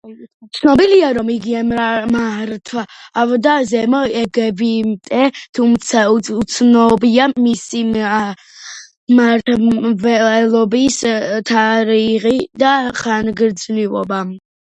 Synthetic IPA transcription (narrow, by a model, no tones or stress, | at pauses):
t̪sʰnɔbiliaɾɔmiɡiɛmɾamaɾt̪ʰvaːvd̪azɛmɔɛɡɛbimt̪ʼɛt̪ʰumt̪sʰaut̪sʰnɔbiamisi | maɾt̪ʰvɛɛlˠɔbist̪ʰaɾiʁid̪aχanɡɾd̪znivɔ̰ba